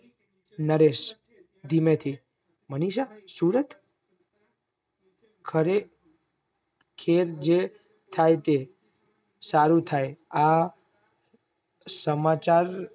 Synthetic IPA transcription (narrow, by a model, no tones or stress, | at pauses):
nəɾeʃ | d̪ʱimet̪ʰi | məniʃasuɾət̪ | kʰəɾe | kʰeɾd͡ʒe | t̪ʰajt̪e | saɾut̪ʰaja | səmat͡ʃaɾ